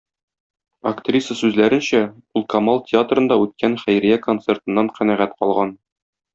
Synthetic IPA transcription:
ɐkt̪rʲisəsʉzlæɾɘ̆nɕæulˠkɐmɑlˠtʲɪat̪rɤ̆nd̪ɑʉt̪̚kænχæjɾijæko̞nt̪sert̪ɤ̆nːɑɴqænæʁæt̪qɒlˠʁɑn

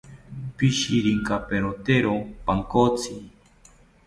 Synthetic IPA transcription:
piʃiɾiŋkapeɾot̪eɾopaŋkot͡si

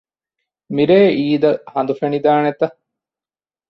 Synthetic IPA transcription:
miɾeːʔiːd̪ɐhɐnd̪ufenid̪aːnet̪ɐ

